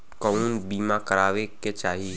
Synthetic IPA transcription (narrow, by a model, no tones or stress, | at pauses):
kɔunbiːmakəɾaːʋeket͡ʃaːɦi